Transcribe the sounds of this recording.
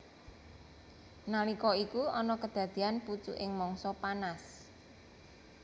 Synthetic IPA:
nalikɔikuɔnɔkəd̪̥a̤d̪̥i̤anput͡ʃṵʔɪŋmɔŋsɔpanas

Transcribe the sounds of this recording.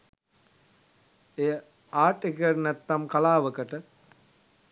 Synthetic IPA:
ejə | aːʈekiəʈnɛt̪ːamkalaːʋəkəʈə

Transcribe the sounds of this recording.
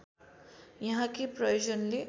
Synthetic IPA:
jʌɦãkiprʌjod͡ʑʌnle

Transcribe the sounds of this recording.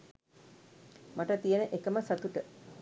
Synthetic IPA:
maʈət̪ijənəʔekəməsat̪uʈə

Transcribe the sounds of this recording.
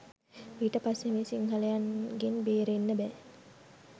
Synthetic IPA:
iʈəpasemeːsiŋɦaləjanɡenbeːɾenːəbɛː

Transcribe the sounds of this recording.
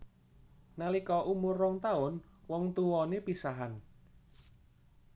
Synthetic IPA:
nalikɔʔumʊrɔŋt̪aʊnwɔŋt̪uwɔnepisaɦan

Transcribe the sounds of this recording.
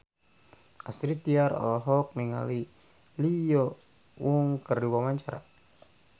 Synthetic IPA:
ast̪ɾit̪iaɾɔ̰lɔɦɔk̚niŋa̰li | lijɔ | wuŋkərdiwamaɲt͡ʃaɾa̰

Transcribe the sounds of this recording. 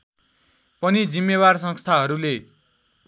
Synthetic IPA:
pʌnid͡zimːeβarsʌ̃ŋst̪ʰaɦʌɾule

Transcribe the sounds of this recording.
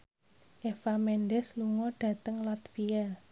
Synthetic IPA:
ʔefamɛnɖɛsluŋɔɖ̥ä̤t̪əŋlɔt̪fia

